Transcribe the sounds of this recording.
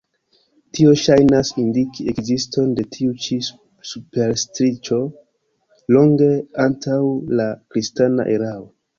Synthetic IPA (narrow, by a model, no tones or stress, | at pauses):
tio̞ʃajnasindikie̞kzisto̞nde̞tʰiut͡ʃi | supe̞ɾstɾit͡ʃo̞ | lo̞ŋɡe̞antawlakɾistana̰ʔeɾao